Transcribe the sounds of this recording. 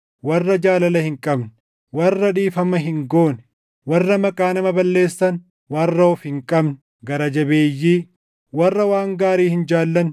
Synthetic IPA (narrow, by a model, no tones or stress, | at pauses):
wɐrːɐd͡ʒaːlɐlɐhɪŋkʼɐbn | wɐrːɐᶑiːfɐmɐɦɪŋɡo̞ːn | wɐrːɐmɐkʼaːnɐmɐbɐlːe̞ːsːɐn | wɐrːɐɔfhɪŋkʼɐbnɛ | ɡɐɾɐd͡ʒɐbe̞ːjːiː | wɐrːɐwaːŋɡaːɾiːhɪnd͡ʒaːlːɐn